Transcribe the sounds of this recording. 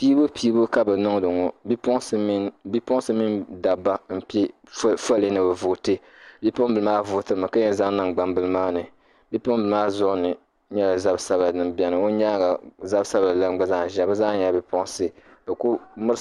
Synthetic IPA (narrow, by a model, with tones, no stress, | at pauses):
piː˦bo˦piː˦bo˦ka˦bɛ˨nɔ˦ŋ˦dɨ˨ŋɔ˨bi˦pɔ˦ŋ˦sbi˦pɔ˦ŋ˦sɨ˦mi˦nda˨ba˦m̩˨pe˦ | fa˦le˦nɨ˨bɛ˨vʊ˨te˦ | bi˦po˦ŋ˦bɨ˨lɨ˦maː˦vʊ˨tɨ˦ɾɨ˨ma˨ka˦jɛ˦za˦ŋ˦nɨ˨ŋɡ͡ba˨mbɨ˦lɨ˦maː˦nɨ˨ | bi˦pʊ˦ŋ˦bɨ˨lmaː˦zʊ˦ʔnɨ˨ | ɲɛ˦la˨za˦bsa˦ba˨nɨ˨mbi˦ɛ˦nɨ˨o˦ɲa˦ɡa˨za˦bsa˦ba˨la˦ɡ͡ba˦za˦˨ʒa˨˦bɨ˦za˦ɲa˨bi˦pɔ˦ŋ˦sɨ˦ba˨ku˦mɨ˦ɾ